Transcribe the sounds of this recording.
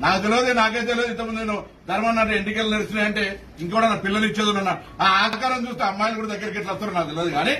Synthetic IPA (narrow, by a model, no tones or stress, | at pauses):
naːkut̪elʋod̪enaːkejt̪eled̪int̪ɐmund̪uneːnu | d̪ʱɐɾmɐnːaːʈ̬eiɳʈikelneɾɐsineːjɐɳʈe̞ː | iŋkɐuːɽaːnapilːɐlit͡ʃːeːd̪unːɐnːaːɾunaːaːkaːɾɐmt͡ʃuːst̪eːɐmːaːjɐlɐkuːɽɐd̪ɐɡːɐɾɐkːeʈlɐst̪unːaːɾnaːk̚ut̪̬elʋoːd̪iɡaːni